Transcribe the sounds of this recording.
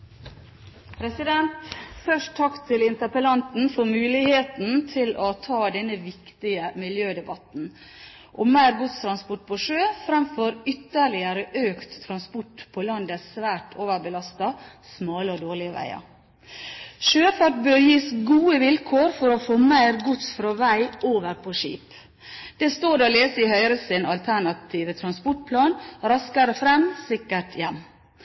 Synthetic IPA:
pʰɾɛsɪd̪ɛnt̪fœʂʈt̪ʰːɑkt̪ʰɪlɪnt̪əpəlɑnt̪n̩fɔɾmʉːlɪheːt̪n̩t̪ʰɪlɔt̪ʰɑːd̪ɛnːəʋɪkt̪ɪəmɪljøːd̪ɛbɑt̪n̩ | ʔɔmæɪɾɡʊt̪st̪ʰɾɑnspɔʈ̚ːpʰɔʂøːfɾɑmfɔɾʏt̪ːəɭɪəɾəʔøːkt̪ʰːɾɑnspɔʈpʰɔlɑnd̪əsʋæːʈʰoːʋəbəlɑst̪ɑ | smɑːləɔd̪oːɭɪəʋæ̰ɪɑ̰ | ʃøːfɑːʈbøːɾjiːsɡuːəʋɪlkʰoːɾfɔɾofoːmæɪɾɡʊt̪sfɾɑːʋæɪoːʋəɾpʰoʂḭːp | d̪̥ɛst̪oːd̪ɛoleːsəɪhœʏɾəsɪnɑlt̪ʰæɳɑt̪ʰiːʋət̪ʰɾɑnspɔʈ̚pʰlɑːnɾɑskɑɾəfɾɛmsɪkːəʈʰjɛmː

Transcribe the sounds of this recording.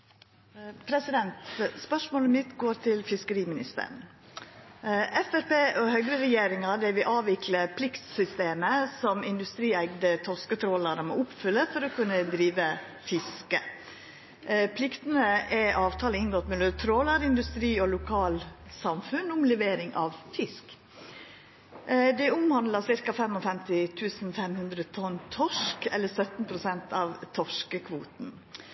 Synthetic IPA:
pʰɾɛsɪd̪ɛnt̪spœʂmoːləmɪt̪ɡoːɾt̪ʰɪlfɪskəɾiːmɪnɪst̪ə̰ɳ̩ | ɛfɛɾpeːʔɔhœɡɾəɾɛjeːɾɪŋɑdɛʋɪʔɑːʋɪkʰləpʰlɪkt̪sʏst̪eːməsɔmɪnd̪ʉst̪ɾiːæɡd̪ət̪ʰɔskət̪ʰɾoːlɑɾəmɛ̰ːʊpfʏlːəfɔɾɔkʰʉnːəd̪ɾiːʋə | fɪskə | pʰlɪkt̪ənəɛʔɑːʋt̪ʰɑːləɪnɡɔt̪mɛløt̪ʰɾoːlɑɾɪnd̪ʉst̪ɾiːɔlʊkʰɑːlsɑmfʉnʊmlɛʋeːɾɪŋʔɑʋfɪsk | d̪ɛʊmhɑnd̪lɑsɪɾkɑfɛmɔfɛmt̪ɪt̪ʰʉːsn̩fɛmhʉnd̪ɾət̪ʰɔnːt̪ʰɔʂkɛlːəsœt̪n̩pʰɾʊsɛnt̪ʰɑʋt̪ʰɔʂkəkʰʋuːt̪n̩

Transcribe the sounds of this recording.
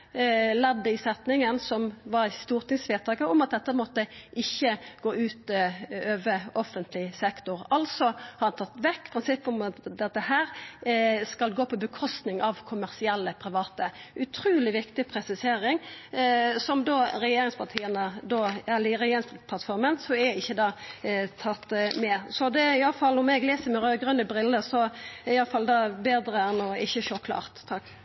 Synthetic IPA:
lɛd̪ːəɪsɛt̪nɪŋənsɔmʋɑɾst̪uːʁt̪ɪŋsʋeːt̪ʰɑːkəɔmɑt̪̚d̪ɛt̪ːəmɔt̪ːəʔɪçːəɡ̥oːʉːt̪øːʋəɔfənt̪ʰlɪsɛkt̪ʊʁɑlsɔhɑːɾɑnt̪ʰɑt̪ːʋɛkːpʰɾɪnsɪpːʊmɑt̪d̪ɛt̪ːəhæːɾ | skɑlɡoːpʰɔbəkʰɔst̪nɪŋʔɑʋkʰʊmæʁsɪɛlːəpʰɾɪʋɑːt̪əʔʉt̪ʰɾʉːlɪʋɪkt̪ɪpʰɾɛsɪseːɾɪŋ | sɔmd̪oːɾɛjeːɾɪŋspʰɑʁʈ̪ʰiːənəd̪oːælɪɾɛjeːɾɪŋspɑpʰɑt̪fɔɾmənsɔæɪçːəd̪ɑːt̪ʰɑt̪ːmɛsɔd̪ɛɪjɑləfɑlːɔmɛɡleːsəɾmɛɾøːɡɾʉnəbɾɪlːəsɔɪɑləfɑld̪ɑːbeːd̪ɾəɛnɔɪçːəʃokʰlɑ̰ːʁt̪ʰːɑkː

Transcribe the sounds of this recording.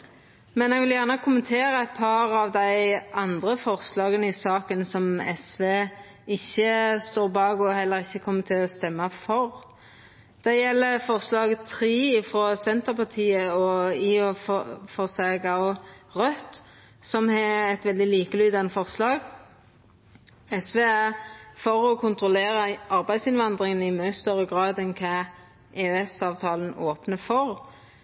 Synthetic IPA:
mɛnɛɡʋɪljæʁnəkʰʊmənt̪ʰeːɾəɛt̪̚pʰɑɾɑʋd̪æɪʔɑnd̪ʁəfɔʁslɑːɡənəɪsɑːkənsɔmɛ̰sʋeː | ɪçːəst̪oːʁbɑːɡɔhɛlːəɾɪçːəkʰɔmːət̪ʰɪlɔst̪ɛmːɑfɔʁ | d̪̥æjɛlːəfɔʁslɑːɡt̪ʰɾiːɪfʁoːsɛnt̪əʁpʰɑʁt̪ʰiːəɔiːɔfɔʁsɑːɡɑʊʁœt̪ | sɔmhɛɛt̪ʋɛld̪ɪliːkəlyːd̪ɑnəfɔʁslɑːɡ | ɛsʋeːæfɔʁɔkʰʊnt̪ʁʊleːʁɑʔɑʁbæɪsɪnʋɑnd̪ʁɪŋənɪmœʏst̪œʁəɡʁɑːd̪ɛnkʰɑː | ʔeːøɛsɑːʋt̪ʰɑːlənoːpnəfɔʁ

